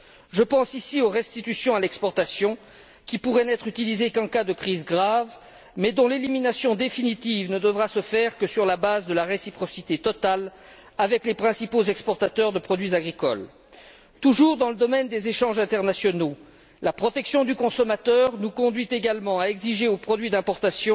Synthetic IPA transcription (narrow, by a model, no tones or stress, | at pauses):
ʒəpɑ̃sisioʁɛst̪it̪ysjɔ̃alɛkspɔʁt̪asjɔ̃ | kʲipuʁɛnɛt̪χyt̪ilizekɛ̃kad̪əkχizɡʁav | mɛd̪ɔ̃leliminasjɔ̃d̪efinit̪ivnəd̪əvʁasəfɛʁkəsyʁlabazd̪əlaʁesipχɔsit̪et̪ɔt̪alavɛklepχɛ̃sipozɛkspɔʁt̪at̪œʁd̪əpχɔd̪ɥizaɡʁikɔ̰l | t̪uʒuʁd̪ɑ̃ləd̪ɔmɛnd̪ezeʃɑ̃ʒɛ̃t̪ɛʁnasjɔno | lapχɔt̪ɛksjɔ̃d̪ykɔ̃sɔmat̪œʁnukɔ̃d̪ɥit̪eɡalmɑ̃aɛɡziʒeopχɔd̪ɥid̪ɛ̃pɔʁt̪asjɔ̃